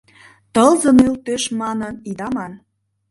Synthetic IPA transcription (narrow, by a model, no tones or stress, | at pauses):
t̪ɤlzə̆nylt̪øʃmɑnɤnid̪ɑmɑn